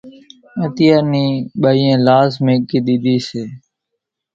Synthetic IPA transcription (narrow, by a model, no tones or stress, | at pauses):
ẽːt̪ɪjaːniːɓaːiẽːlaːzmẽːkiːɗ̪iːɗ̪iːseː